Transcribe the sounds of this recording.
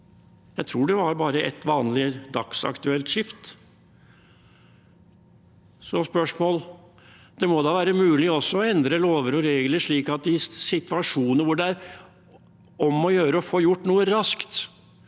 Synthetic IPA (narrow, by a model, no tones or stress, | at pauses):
jæɪt̪ʰɾuːɖɛʋɑɾbɑːɾəʔɛt̪ʋɑːnlɪd̪ɑksɑ̰kt̪ʉɛlt̪ʃɪft̪ | sɔspœʂmoːl | d̪̥ɛmɔd̪ɑːʋæːɾəmʉːlɪɔsːɔɔɛnd̪ɾəloːʋəɾɔɾeːɡləʂɭiːkɑt̪̚d̪ɪsɪt̪ʋɑʂuːnəɾʋʊɖɛæɾ | ɔmɔjøːɾəɔfoːjʊʈːnuːəɾɑskt̪